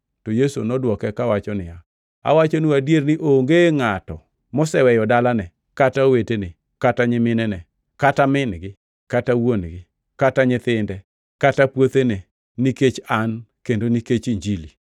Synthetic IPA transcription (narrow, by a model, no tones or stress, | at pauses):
tojeso̰nɔdwɔkɛkawat͡ʃɔnɪja | a̰wat͡ʃonuadjernɪʔoŋɡeŋatɔ̰ | mɔsɛwɛjɔdalanɛ | kataowetene | kataɲɪmɪnɛnɛ | katamɪnɡɪ | katawonɡɪ | kataɲɪt̪ɪndɛ | katapwot̪ene | niket͡ʃankendoniket͡ʃiɲd͡ʒili